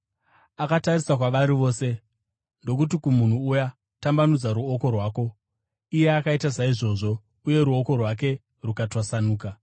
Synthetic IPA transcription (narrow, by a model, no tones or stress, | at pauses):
akatarisakwaʋaɾiʋo̞ːse̞ | ndo̞k̬ut̬ikumun̤uːja | tambanud͡zaɾuoko̞rwaːko̞ | ije̞akaitasaiʐo̞ːʐo̞ | uje̞ɾuo̞ko̞rwak̬e̞ | rukatwasanuːka